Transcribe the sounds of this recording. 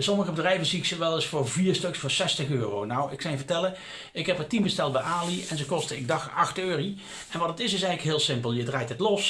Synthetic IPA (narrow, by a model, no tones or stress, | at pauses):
sɔməɣəbədrɛjvənziksəʋɛlˠɪsfʊːɹviːɹstɵksfʊːɹsɛstəχøːrownɔwɪksɑjəvəɹtɛlə | ɪkɦɛpətimbəstɛl̚ˠbɛjaːliɛnzəkɔstəɪɡ̚dɑχɑxtøːri | ɛnʋɑtətɪsɪs̬ɛɣənləkɦɪːlˠsɪmpəlˠjədraːjtətlɔs